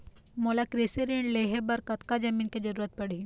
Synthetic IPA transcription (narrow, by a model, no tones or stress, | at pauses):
moːlakɾeseɾeɳɖleːɦebɐɾkɐt̪kad͡ʒɐmĩːnked͡ʒɐɾuːɾət̪̚pɐɽ̤i